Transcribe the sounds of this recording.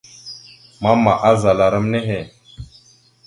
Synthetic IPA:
ma˦mːa˨ʔa˦za˨la˨ɾə˦mne˦ɦe˨

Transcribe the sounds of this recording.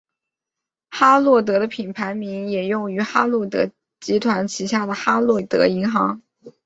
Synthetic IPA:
xa˥lwɔ˥˩t̪̬ɤ˧˥d̪ə˧pʰi˨˩npʰa˧˥ɪmi˧˥ŋjɛ˨˩jʊ˥˩ŋy˧˥xa˥lwɔ˥˩t̪ɤ̰˧˥ | t͡ɕi˧˥t̪ʰwa˧˥nt͡ɕʰi˧˥ɕja˥˩d̪ə˩xa˥lwɔ˥˩t̪ɤ̰˧˥i˧˥ŋxɑ˧˥ŋ

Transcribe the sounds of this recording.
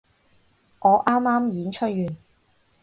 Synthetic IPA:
ŋɔː˨˧ʔaː˥mːaː˥mjiː˨˥nt͡ʃʰɵ˥t̚jyː˨˩n

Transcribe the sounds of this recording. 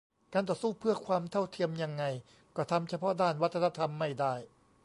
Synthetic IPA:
kaː˧nt̪ɔː˨˩suː˥˩pʰɯ˥˩ɐkʰwaː˧mt̪ʰa˥˩wt̪ʰi˧əmja˧ŋːa˧j | kɔː˥˩t̪ʰa˧mt͡ɕʰa˧pʰɔ˦˥daː˥˩nwa˦˥t̪ʰːa˧na˧˥˧t̪ʰa˧mːa˥˩jdaː˥˩j

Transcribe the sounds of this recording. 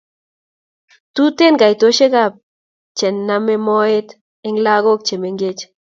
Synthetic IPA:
tu˦te˦˨nka˨i˨to˦ʃe˦ka˦˨p̚ | t͡ʃɛ˨nːame˦mɔ˦e˦t | ɪ˦ŋla˦ɣo˦k̚t͡ʃe˨me˨ŋɡe˦t͡ʃ

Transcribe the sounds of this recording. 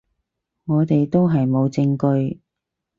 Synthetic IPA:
ŋɔː˨˧t̪e˨jt̪o˥wɦɐ˨jmo˨˧wt͡sɪ˧ŋkɵ˧ɥ

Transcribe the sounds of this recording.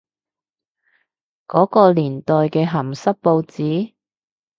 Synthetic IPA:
kɔː˨˥kɔː˧liː˨˩nt̪ɔː˨jkɛː˧ɦɐ˨˩msɐ˥k̚po˧wt͡siː˨˥

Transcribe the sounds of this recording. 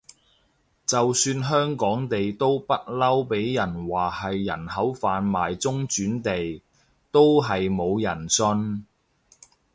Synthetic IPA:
t͡sɐ˨wsyː˧nɦœː˥ŋkɔː˨˥ŋt̪e˨jt̪o˥wpɐ˥t̚lɐ˥wpe˨˥jjɐ˨˩nwaː˨hɐ˨jːɐ̰˨˩nhɐ˨˥wfaː˨nmaː˨jt͡sʊ˥ŋt͡ʃyː˨˥nt̪e˨j | t̪o˥wɦɐ˨jmo˨˧wjɐ˨˩nsɵ˧n

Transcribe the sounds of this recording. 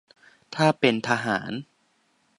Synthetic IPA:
t̪ʰaː˥˩pe˧nt̪ʰa˧ɦa̰ː˩˦n

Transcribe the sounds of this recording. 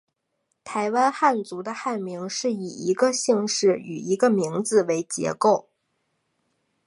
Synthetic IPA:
t̪ʰa˧˥ɪwa˥nxa˥˩nt͡su˧˥d̪ə˧xa˥˩nmi˧˥ŋʂɻ̩˥˩i˨˩i˧˥ɡə˧ɕi˥˧ŋʂɻ̩˥˩y̰˨˩i˧˥ɡə˧mi˧˥ŋd͡zɹ̩˧we˧˥ɪt͡ɕjɛ̰˧˥ko˥˩ʊ

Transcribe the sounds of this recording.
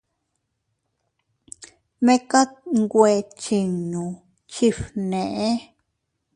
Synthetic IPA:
mẽ˦ka˦tŋɡwʷe˨t͡ʃi˨ɲũ˨ | t͡ʃi˦˧fnẽ˨ʔe˦

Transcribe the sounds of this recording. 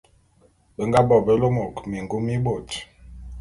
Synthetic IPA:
bə˨ŋɡa˦bɔ˨bə˦lo˦mo˨kmi˨ŋɡu˦mi˦bo˨t

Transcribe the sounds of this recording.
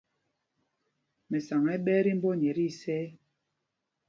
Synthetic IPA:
mɛ˨sa˨ŋɛ˦ɓɛː˦ɾi˦m̩˦bɔ˦ɲɛ˨ɾi˦˨sɛː˦

